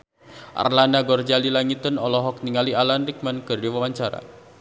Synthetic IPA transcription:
ʔa̰rlanaɡɔrd͡ʒalilaŋit̪ənɔlɔɦɔk̚niŋalialanrik̚mankɨrdiwawaɲt͡ʃaɾa̰

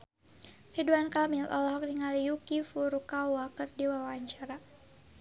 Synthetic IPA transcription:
riduankamilʔɔ̰lɔɦɔk̚diŋalijukifuɾukawakɨrdiwawaɲt͡ʃaɾa

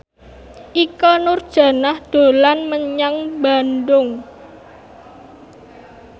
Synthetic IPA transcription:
ʔikɔnʊrd̥ʒ̥ä̤nahd̪̥o̤lanməɲaŋbanɖʊŋ

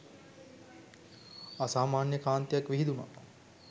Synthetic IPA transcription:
asaːmaːnjəkaːnt̪ijakʋiɦid̪uma̰

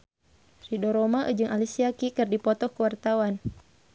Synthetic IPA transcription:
ridɔɾɔmaʔə̰d͡ʒɨŋʔalisiakikɨrdipɔt̪ɔhkuwart̪awan

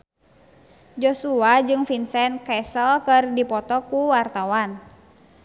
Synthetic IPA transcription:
d͡ʒosuad͡ʒɨŋfinsɛnkɛsəlkɨrdipɔt̪ɔkuwart̪awan

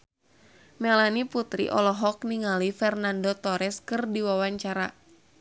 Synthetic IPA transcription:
mɛlaniput̪ɾḭʔɔ̰lɔɦɔk̚niŋalifɛrnandot̪ɔɾɛskɨrdiwawaɲt͡ʃaɾa

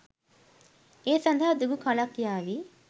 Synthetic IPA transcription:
eːsɐnd̪ʱaɦɐd̪uɡukʰɐlakːijaːʋi

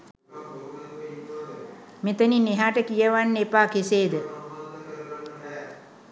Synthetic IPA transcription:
met̪ənineɦaːʈəkijəʋanːepaːkeseːd̪ə

